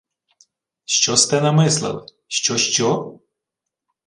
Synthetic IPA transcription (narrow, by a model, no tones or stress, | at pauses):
ʃt͡ʃɔst̪ɛnɐmɪslˠɨ̰l | ʃt͡ʃɔʃt͡ʃɔ